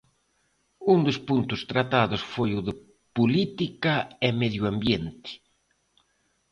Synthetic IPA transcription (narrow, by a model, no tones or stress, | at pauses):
und̪ʊspunt̪ʊst̪ɾat̪aðʊsfojʊðɪ | pulit̪ikaemeðjuambjent̪ɪ̥